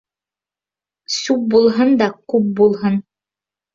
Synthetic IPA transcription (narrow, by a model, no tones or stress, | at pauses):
sup̚bulˠɦɤnd̪ɑkʉp̚bulˠɦɤn